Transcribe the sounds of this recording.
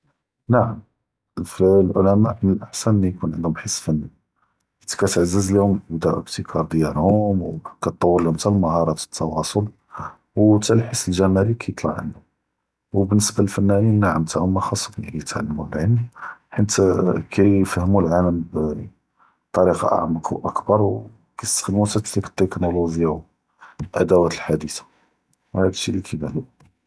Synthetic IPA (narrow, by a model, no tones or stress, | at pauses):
naʕəm | flʕʊlæmamənəlʔaħsænəlːijkunʕə̰nd̪hʊmbħəsːfænːi | ħənt̪i̥kæt̪ʕazːəzlihʊmbd̪æʕə̰bt̪ikʰɑɾˤd̪jɑɾhʊmwkæt̪ˤːɑwːəɾlihʊmt̪ællməhɑɾˤɑt̪ə̥t̪ʰːɑwɑsˤol | wt̪ælħəsːəlʒæmæɾikʰæjt̪ˤlɑ̰ʕʕə̰nd̪u | wbənːəsbaləlfænːæninːaʕəmt̪ahʊmːəxɑsˤːbnikjət̪ʕalːəmuəlʕəlħənt̪kʰæfəhmulʕaləmb | t̪ˤːɑɾiqɑ̰ʔa̰ʕməqʔəkbɑɾˤw | kæjst̪ə̥xd̪mut̪æt̪likə̥t̪ːeknoloʒəjːaw | ʔæ̰d̪æwæt̪əlħad̪it̪ḁ | whæd̪əlʃːilikʰæbælu